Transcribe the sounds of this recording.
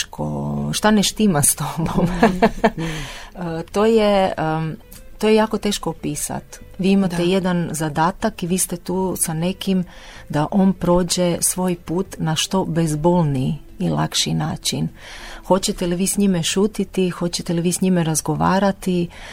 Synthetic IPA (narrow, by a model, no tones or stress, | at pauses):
kʰo̰ʃt̪aneʃt̪imast̪obom | ət̪o̞ːje | t̪o̞jejaːko̞t̪e̞ːʃkopiːsa̰t̪ʋiːimaeje̞d̪anzad̪aːt̪akiʋiːst̪et̪uːsane̞kim | d̪aʔo̞npɾo̞ːd͡ʑesʋo̞ːjpuːt̪naʃt̪o̞bezbo̞lˠni | ila̰kʃinaːt͡ʃin | xo̞t͡ɕet̪eliʋiːsɲimeʃuːt̪it̪ixo̞t͡ɕet̪eliʋiːsɲimeɾazɡo̞ʋa̰ːɾat̪i